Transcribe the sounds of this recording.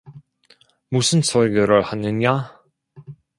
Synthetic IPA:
musʰɯnsʰʌɭɡjʌɾɯɭhanːɯɲa

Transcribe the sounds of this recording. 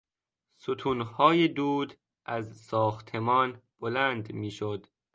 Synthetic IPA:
sot̪ʰunhɒːjed̪uːd̪ | ʔæzsɒːxt̪ʰemɒːnb̥olænd̪miːʃod̪̥

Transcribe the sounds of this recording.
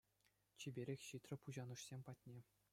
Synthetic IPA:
t͡ɕibʲeɾʲexʲɕit̪rɘ̆puʑɑnɯʂsʲemʲpɑt̚ʲnʲe

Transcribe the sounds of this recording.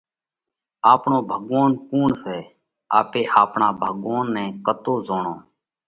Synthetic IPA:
aːpɳõːbʱəɠʋaːnkuːɳsɛː | aːpeːʔaːpɳaːbʱəɠʋaːnːɛ̃ːkət̪oːzoːɳõː

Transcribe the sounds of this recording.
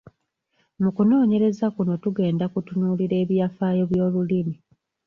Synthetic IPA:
mukuno̞ːɲe̞ɾe̞zakuno̞tuɡe̞ːndakutunuːliɾe̞ːβjaːfaːjo̞βjo̞ːlulimi

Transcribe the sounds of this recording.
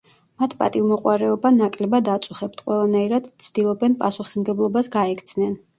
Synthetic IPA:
mat̪ʰpʼa̰t̪ʼivmɔqʼwaɾɛɔbanakʼlɛbad̪at̪sʼuχɛp̚t̪ʰqʼwɛlˠanaiɾad̪̥t̪sʰd̪̥ilˠɔbɛnpʼasuχi̥smɡɛblˠɔbasɡaɛkʰt̪sʰnɛn

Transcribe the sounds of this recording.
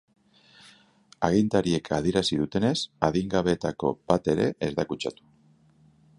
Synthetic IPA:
aɣint̪aɾie̞kʰa̰ð̞ie̞ɾasiðut̪e̞ne̞saðiŋɡaβe̞t̪ako̞b̥at̪e̞ɾe̞̰ʔezðakut͡ʃat̪u̥

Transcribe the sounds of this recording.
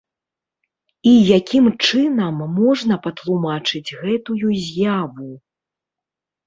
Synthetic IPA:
ijakʲimt͡ʂɨnɐmːɔʐnɐpɐt̪lˠumat͡ʂɨd͡zʲɣɛt̪ujuzʲjavu

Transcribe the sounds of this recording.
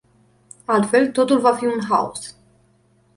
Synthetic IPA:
alt̪fe̞lt̪o̞t̪ulvafiunɦa̰ṵs

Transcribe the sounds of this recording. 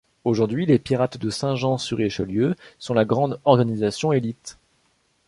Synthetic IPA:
oʒuʁd̪ɥilepiʁat̪d̪əsɛ̃ʒɑ̃syʁeʃɔljøsɔ̃laɡʁɑ̃d̪ɔʁɡanizasjɔ̃elit̪

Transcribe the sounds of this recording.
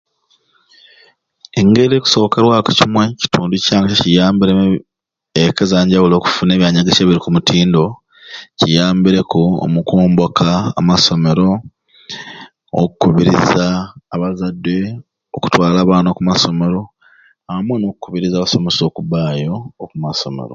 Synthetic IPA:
eŋɡe̞ɾeku̥so̞keɾwaːkocimweci̥tuːnducaːŋɡacecijaːmbiɾe | ekezaːɲɟawulo̞ːku̥fune̞ːβjaːɲaɡeceːβiɾikumutiːndo̞ | cijaːmbiɾe̞kuo̰mukuːmbokʰaːmaso̞me̞ɾo̞ | kukuβiɾḭzaːβazadːe̞ | oku̥twaːlaːβaːnoːkumaso̞me̞ɾo̞ | aamweno̞ːk̚ukuβiɾizaːβaso̞me̞so̞ːkuβaːjo̞ːkumaso̞me̞̰ɾo̰

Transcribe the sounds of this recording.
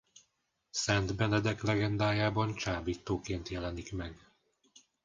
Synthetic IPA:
sɛnd̪bɛnɛd̪ɛklɛɡɛnd̪aːjaːbɒnt͡ʃaːbiːt̪ːoːkeːnt̪jɛlɛnikmɛɡ

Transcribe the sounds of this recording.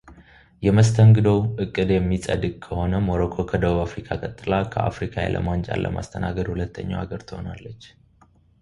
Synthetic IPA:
jɛməst̪ʰəŋɡɨd̪əwɨkʼːɨd̪jɛmːisʼə̰d̪ɨɡkʰəho̞nəmoɾokʰo̞kʰəd̪əβuβafɾikʰakʼət̪ʼːɨlakʰəafɾikʰajɛ̰lʔə̰mant͡ʃʼa̰lːʔə̰ma̰st̪ʰənaɡəd̪hulət̪ːəɲːa̰waɡəɾt̪ʰɨhonalːət͡ʃː

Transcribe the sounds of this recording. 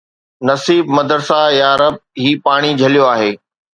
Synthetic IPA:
nɐsiːbmɐd̪əɾsajaːɾəb̚ɦiːpaːɽ̃id͡ʑʱɐlijoaːɦeː

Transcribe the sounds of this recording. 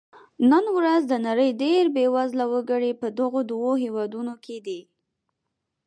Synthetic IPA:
nənwɾazd̪ənaɾəjɖeɾbewazlawəɡəɽepəd̪əɣod̪woɦewɑd̪unokʰed̪i

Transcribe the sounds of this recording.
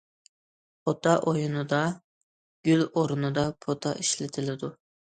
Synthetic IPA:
ot̪ʰɑʔojunɨd̪ɑ | ɡ̥ʲyloɾunɨd̪ɑpʰot̪ʰɑʔiʃlɪt̪ʰɪlɪd̪u

